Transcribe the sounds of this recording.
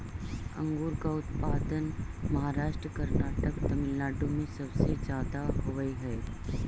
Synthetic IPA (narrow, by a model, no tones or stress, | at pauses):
ɐ̰̃ŋɡuːɾkaʊt̪paːd̪ənmɐɦaːɾaːʃʈɾəkɐɾnaːʈəkt̪ɐmɪlːaːɖomẽsɐbsed͡ʒaːd̪aɦoʋəiɦɛː